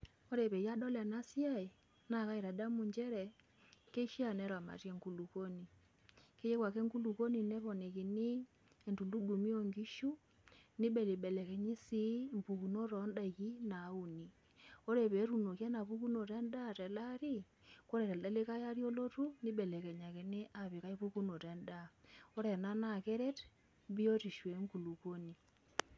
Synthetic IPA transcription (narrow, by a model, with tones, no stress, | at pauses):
o˦ɾe˨βɛ˨ja˦dɔ˦lɛ˨na˦sja˦e˨ | na˨ka˦e˨ɾa˨da˦mu˨ɲd͡ʒɛ˦ɾɛ˨ | ke˦ʃi˦a˨nɛ˦ɾwa˨ma̰˨tjɛ˦ŋku˨lu˨ko˦ni˨ | ke˦je˦kwa˨kɛ˦ŋku˦lu˨ko˦ni˨nɛ˦βɔ˨ne˨ke˨ni˦ | e˨ntu˨ndu˦du˨mi˦o˦ŋɡi˦ʃu˦ | ni˦bɛ˨le˨bɛ˨lɛ˨kɛ˨ɲi˦si˦mpu˨ku˨no˦ɾɔ˨˦nda˨ɣi˦na˨˦u˨ni˨ | o˦ɾe˨βe˨˦ɾu˨no˨kja˦na˨pu˦ku˦no˨tɛ˦nda˦˨tɛ˨la˦ɾi˦ | ko˦ɾe˨tɛ˨lda˦le˦ka˦ja˦ɾjo˦lo˦tu˦ni˦ɓɛ˨lɛ˨kɛ˨ɲa˨ke˨ne˦ʔa˨βi˨ka˦i˦pu˦ku˦no˨te˨nda˦˨o˦ɾɛ˨na˦na˦˨ke˦ɾe˦t | bi˦o˦ti˨ʃwe˨˦ŋku˨lu˨ko˦ni˨